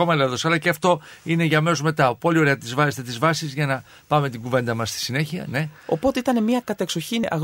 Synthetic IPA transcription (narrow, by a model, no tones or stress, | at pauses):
o̞mɐleðo̞sɐlɐceɐft̪o̞ine̞ʝɐme̞sozme̞t̪ɐpo̞lio̞ɾeɐt̪izvɐzest̪et̪izvɐsizʝɐnɐ | pɐme̞t̪iɡuve̞nd̪ɐmɐst̪i̥sine̞çiɐ̰ne̞o̞po̞t̪e̞it̪ɐne̞miɐkɐt̪e̞kso̞çinʔɐ̰ɣ